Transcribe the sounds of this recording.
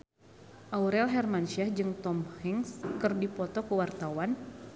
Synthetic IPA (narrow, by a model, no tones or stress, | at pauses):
ʔauɾɛlɦɛrmanʃɛhd͡ʒɨŋt̪ɔmhiŋskɨrdipɔt̪ɔkəwart̪awan